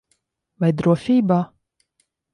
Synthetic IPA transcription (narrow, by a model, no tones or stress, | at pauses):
vajd̪ɾuɔfʲiːbaː